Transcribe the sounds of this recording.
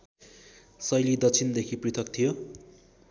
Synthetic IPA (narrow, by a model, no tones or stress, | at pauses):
sʌjlid̪ʌt͡sʰind̪ekʰiprit̪ʰʌkt̪ʰijo